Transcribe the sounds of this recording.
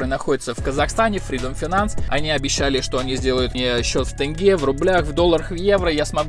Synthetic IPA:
ɾɨnɐxo̞dʲɪt̪səfkəzɐxst̪anʲɪfɾʲid̪omfʲɪnant̪sɐ̰nʲiɐbʲɪɕːælʲɪʂt̪o̞ɐnʲizʲdʲe̞ləjʊt̪mʲɪɕːo̞t̪ft̪ɨnɡʲevrʊblʲaxvd̪o̞lˠːəɾəxvje̞vɾəjasmɐɡ

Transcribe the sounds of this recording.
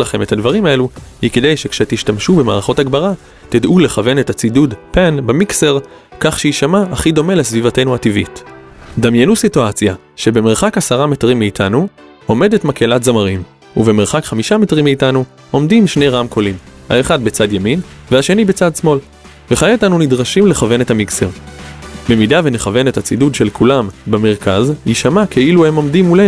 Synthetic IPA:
laχe̞me̞tadvaʁimae̞luhikedejʃe̞kʃet̪iʃtamʃube̞maːʁaχo̞taɡbaʁa | tidʔule̞χave̞ne̞tat͡sidudpanbemikse̞ʁ | kaχʃeiʃamaːχid̪o̞me̞le̞svivate̞jnuativḭt | d̪amjenusituat͡sja | ʃe̞be̞me̞ʁχakasaʁametʁimːiːtʰanu | o̞me̞de̞tmakelatzamaʁim | uve̞meʁχakχamiʃametʁimːiːtanu | o̞mdimʃneʁamkʰo̞lim | ha̰eχadbet͡sadjaminveaʃe̞nibe̞t͡sadsmo̞l | veχajeitanunidʁaʃimle̞χave̞ne̞thamikseʁbe̞midave̞ne̞χave̞nethat͡sidudʃe̞lkʰulambeme̞ʁkazjiʃamakʰeiluhe̞mo̞mdimule

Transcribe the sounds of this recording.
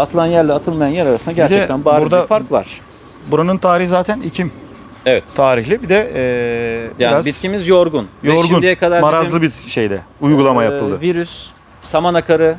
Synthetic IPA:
at̪ʰɯlˠanjæɾlʲɛat̪ʰɯlˠmajanjæɾaɾasɯnd̪aɟæɾidt͡ʃ̪ɛænbabːɾuɾd̪afaɾkva̰ɾ̥ | buɾanɯnt̪ʰaːɾiɦhizaːt̪ʰænicʰim | evɛt̪t̪ʰaːɾiçlʲibid̪ɛː | bjaiɾazbit̪cʰimizjoɾɡunjoɾɡund̪ɛjɛkʰad̪aɾmaɾazlˠɯbiɾʃe̞jd̪ɛujɡulˠamajaɯlˠd̪ɯviɾysː | amanakʰaɾɯ

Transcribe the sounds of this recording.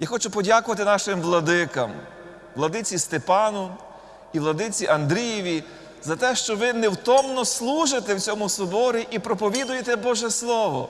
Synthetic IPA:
jaxɔt͡ʃʊpɔdʲakʊʋɐt̪ɪnɑʃɪmʋlˠɐd̪ɪkɐ̰m | ʋlˠɐd̪ɪt͡sʲist̪epɑnʊ | iʋlˠɐd̪ɪt͡sʲiʔɐnd̪ɾʲijiʋʲi | zɐt̪ɛʃt͡ʃɔʋɪnewt̪ɔmnɔslˠuʒet̪ɛwt͡sʲɔmʊsʊbɔɾʲiʔipɾɔpɔʋʲid̪ʊjet̪ɛbɔʒɛslˠɔʋɔ̰

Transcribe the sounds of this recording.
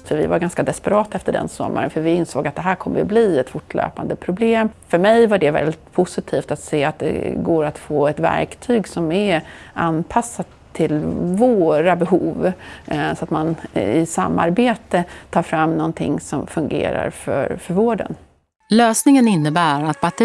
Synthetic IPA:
fœɾvɪ̰vaɾɡanskad̪ɛspɛɾɑːt̪aɛft̪əɖɛ̰nsɔ̰mːa̰ɾə̰nfœɾvɪɪnsoːɡat̪̚d̪ɛɦæːɾkʰɔmːəbliːɛt̪fʊʈʰːlø̰ːpand̪əpʰɾʊbleːmfœɾmɛjvaɖɛvɛ̰ld̪ɪt̪̚pʰʊsɪt̪ʰiːft̪at̪seːat̪̚d̪ɛ̰ɡoːɾat̪foːɛt̪væ̰ɾkt̪ʰyːɡsɔmɛʔanpʰasːa | t̪ʰːɪlvoːɾabɛɦuːv | sɔat̪manɪsa̰mːa̰ɾbeːt̪ət̪ʰɑːɾfɾamːnɔnt̪ʰɪ̰ŋsɔmfɵŋɡḛːɾa̰ɾfœ̰ɾfœɾvoːɖə̰n | løːsnɪŋənɪnːəbæːɾat̪̚bat̪

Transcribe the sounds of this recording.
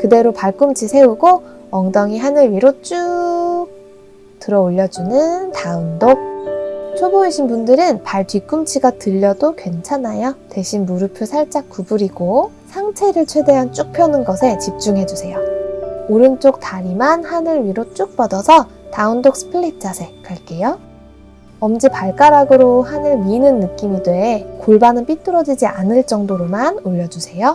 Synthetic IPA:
kɯde̞ɾopaɭk͈umt͡ɕʰisʰe̞uɡo | ʌŋdʌŋiɦanɯɭɥiɾot͡ɕ͈uk̚ | tɯɾʌoʎːʌd͡ʑunɯntaundok̚t͡ɕʰoboeɕʰinbundɯɾɯnpaɭtɥik͈umt͡ɕʰiɡatɯʎːʌdokwe̞nt͡ɕʰanajotwe̞ɕʰinmuɾɯpʰjusʰaɭt͡ɕ͈ak̚k͈ubuɾiɡo | sʰaŋt͡ɕʰe̞ɾɯɭt͡ɕʰwe̞de̞ɦant͡ɕ͈uk̚pʰjʌnɯnɡʌsʰe̞t͡ɕip̚t͡ɕ͈uŋɦe̞d͡ʑusʰe̞jooɾɯnt͡ɕ͈ok̚taɾimanhanɯɭɥiɾot͡ɕ͈uk̚p͈ʌdʌsʰʌ | taundok̚s͈ʰɯ̥pʰɯɭit̚ʰt͡ɕ͈asʰe̞k͈aɭk͈e̞jo | ʌmd͡ʑipaɭk͈aɾaɡɯɾohanɯɭɥinɯnːɯk͈imidweːkoɭbanɯnp͈it͈ɯɾʌd͡ʑid͡ʑiʔanɯɭt͡ɕ͈ʌŋdoɾomanoʎːʌd͡ʑusʰe̞jo

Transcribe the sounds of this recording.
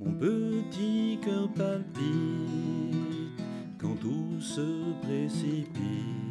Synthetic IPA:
mɔ̃pət̪ikəpalpi | t̪ | kɑ̃t̪usəpχesipi

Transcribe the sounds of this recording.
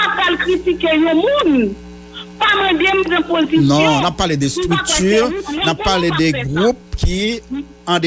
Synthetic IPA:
apalkʁit̪ikejõmũn | pamãd̪em̩zãpozinɔ̃nappːaʁled̪ɛst̪ʁyk̚t̪yʁnappːaʁled̪ɛɡʁup̚kʰi | ãd̪e

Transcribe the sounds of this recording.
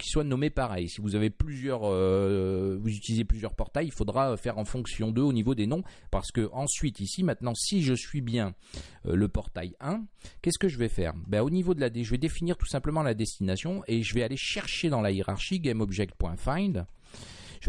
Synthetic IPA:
kʲʰi̥swanɔmepaʁɛjsivuzaveplyzjœʁø | vuzyt̪ilizeplyzjœʁpɔʁt̪ajilfod̪ʁaøfɛʁɑ̃fɔ̃ksjɔ̃d̪øonivod̪enɔ̃paʁsə̥kəʔɑ̃sɥit̪isimɛ̃t̪nɑ̃siʒəsɥibjɛ̃ | ø̰ləpɔʁt̪a̰jɛ̃kʲɛsə̥kəʒəvɛfɛ̰ːʁbaonivod̪əlad̪eʒəvɛd̪efiniʁt̪u̥sɛ̃pləmɑ̃lad̪ɛst̪inasjɔ̃eʒəvɛaleʃɛʁʃed̪ɑ̃lajeʁaʁʃiɡɛmɔbʒɛk̚t̪̚pwɛ̃fajd̪ | ʒ

